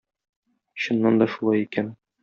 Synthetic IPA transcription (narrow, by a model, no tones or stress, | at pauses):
ɕŏnːɑnd̪ɒʃulˠɑjikæn